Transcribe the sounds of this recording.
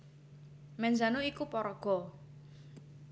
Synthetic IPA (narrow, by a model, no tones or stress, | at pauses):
mɛnzanuikupɔɾɔɡ̥ɔ̤